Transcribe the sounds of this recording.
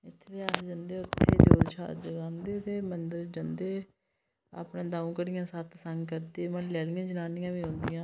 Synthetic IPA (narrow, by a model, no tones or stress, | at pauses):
ɪt̪ʰːeːt̪eːaːsd͡ʒənd̪eːʊt̪ʰːḛːd̪o̰ːzt͡ʃʰa̰ːd͡ʒəɡãːnd̪eːt̪eːmənd̪əɾd͡ʒənd̪eː | a̰ːpɳẽːd̪aːũːkəɾɪjãːsət̪səŋɡkəɾt̪eːmə̃lɛːɽɪjãːd͡ʒənaːnɪjãːʋiːɦõːnd̪ijãː